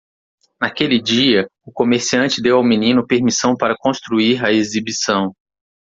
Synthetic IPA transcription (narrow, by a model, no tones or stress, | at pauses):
nakelɪd͡ʒiɐʊkomeɾsiɐ̃nt͡ʃɪd̪ewawminĩnʊpeɾmisɐ̃w̃paɾɐkõst̪ɾuiɾɐezibisɐ̃w̃